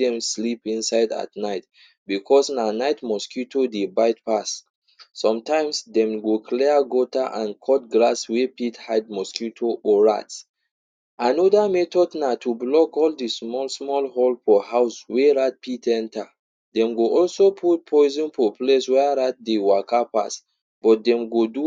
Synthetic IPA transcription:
ɛ̃mslipĩnsaɪda̰tnaɪt | bikʰɔsnanaɪtmɔskjutʰodebaɪt̚pasː | ɔ̃mtãɪ̃msdɛ̃mɡokʰlɛaɡotaʔãnkʰɔt̚ɡlaswepithad̚mɔskjutʰoʔɔɹa̰t | anɔdamɛtɔdnatʰublɔkɔldismɔlsmɔlɦɔlfɔhaʊsweɹat̚pitʰɛ̃nta | dɛ̃mɡoɔlsopʰut̚pʰɔɪzɔ̃nfopleswɛɹat̚dewakapa̰s | b̥ɔt̚dɛ̃mɡodu

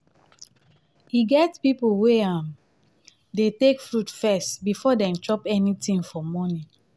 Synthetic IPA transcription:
hiɡɛtpipolweãm | detekfɹutfɛstbifɔdɛ̃mt͡ʃɔpɛnitĩŋfɔmɔnĩ

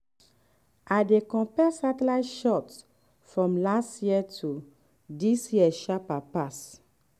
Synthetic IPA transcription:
adekɔ̃pɛsatlajʃɔt | fɹɔ̃mlastjiətʰu | disjiɛʃapapas

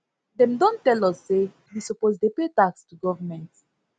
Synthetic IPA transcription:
dɛ̃mdɔ̃ntɛlɔsːe | wisɔpozdepetakstuɡɔvəmɛ̃nt

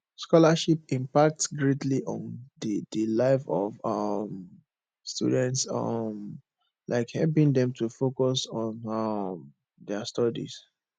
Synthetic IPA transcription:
skɔlaʃip̚ĩmpak̚tsɡɹetʰliʔɔ̰̃ndədəlaɪfɔvʌm | stṵdɛ̃ntsʌ̰m | lʔa̰ɪkhɛlp̬ĩŋd̪ɛ̃mtʰufokɔsɔ̃nʌm | dɛstɔdḭz̥

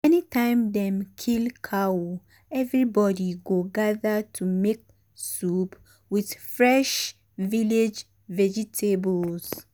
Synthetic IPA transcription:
ɛnitʰãɪ̃mdɛ̃mkʰilkʰawo | ɛvɹibɔdiɡoɡaðətʰumek̚ | sup | wið̥fɹɛʃ | viled͡ʒ | vɛd͡ʒitʰebɔls

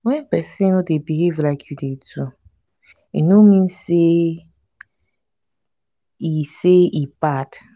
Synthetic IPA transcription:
wɛ̃npɛsĩnodebiɦevlaɪkʰjudedu | inomĩnse | iseipat

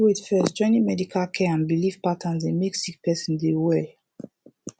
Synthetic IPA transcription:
widfɛsd͡ʒɔnĩmɛdikʰalkʰɛãnbilifpatʰə̃nzĩnmiksik̚pɛsĩndewɛ

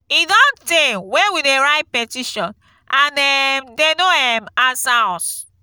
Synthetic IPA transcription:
idɔntewewideɹaɪt̚pɛtiʃɔ̃n | ãnɛmdenoɛmasas

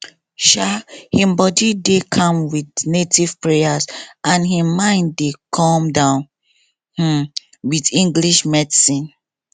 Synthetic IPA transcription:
ʃahĩmbɔdidekʰãmwidnetiv̥pɹejasãnhĩmãɪ̃ndekʰɔ̃mdãʊ̃n | h̩ | widĩŋɡliʃmɛdsĩn

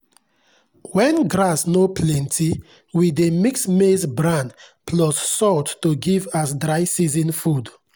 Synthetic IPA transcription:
wɛ̃nɡɹasnopʰlɛ̃ntʰi | widemiksmesbɹãndpʰlɔssɔtːuɡivasdɹaɪsizĩnfud

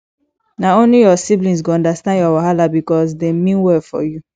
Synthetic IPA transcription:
naonlijɔsiblĩs̬ɡoɔ̃ndastãndjɔwaɦalabikɔs̬demĩnwɛfɔ̰ju

